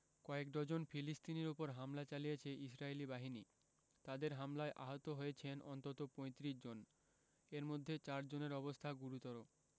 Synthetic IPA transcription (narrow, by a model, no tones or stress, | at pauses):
kɔekɖ̪ɔd͡ʑonfʰilist̪ineɾupoɾɦamlat͡ɕalijet͡ɕʰeʔisɾaelibaɦini | t̪ad̪eɾɦamlaeʔa̰ɦot̪oɦojet͡ɕʰenʔɔnt̪ot̪opɔ̃jt̪ɾiʃd͡ʑon | eɾmod̪ʱːet͡ɕaɾd͡ʑoneɾɔbost̪ʰaɡuɾut̪ɔɾo